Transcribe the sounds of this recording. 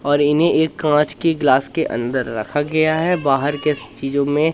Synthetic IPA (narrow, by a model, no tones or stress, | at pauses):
ɔːɾɪnɦẽʔeːkːãːt͡ʃkeɡlaːskeʔɐ̰̃nd̪əɾːɐ̰kʰaɡɐjaɦɛbaːɦəɾket͡ʃiːzõmẽ